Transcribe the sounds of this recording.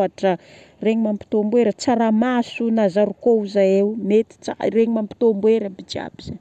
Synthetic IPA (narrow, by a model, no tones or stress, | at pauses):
aʈ͡ʂə | reɲimampi̥t̪ombweɾət͡saɾamasunazaɾukouzaeumet̪i̥t͡sa̰reɲimampi̥t̪ombweɾabid͡ʒia̰biz̥e